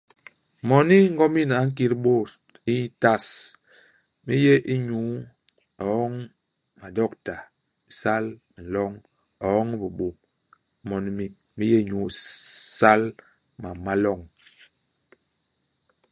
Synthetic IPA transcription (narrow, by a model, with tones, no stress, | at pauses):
mɔ˨ni˦ŋ̩˦ɡɔ˦mi˦˨na˨˦ŋ̩˦k̬i˦ɾɓo˦˨ | i˦ta˦˨s | mi˦je˦ʔi˦ɲu˨˦ | ɔ˨ɔ˦ŋ | ma˨dɔ˦˨kta˨ | sa˦l | n̩˨lɔ˦ŋ | ɔ˨ɔ˦ŋ˦bu˨ɓo˨ | mɔ˨ni˦mi˨ | mi˦je˦˨ɲu˨˦˨sa˦l | ma˨ma˦lɔ˦˨ŋ